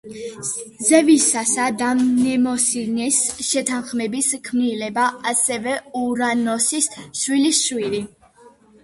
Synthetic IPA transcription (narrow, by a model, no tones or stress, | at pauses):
zɛvisasad̪amnɛmɔsinɛsʃɛt̪ʰanχmɛbiskʰmnilɛbaasɛvɛuɾanɔsisʃwilisʃwili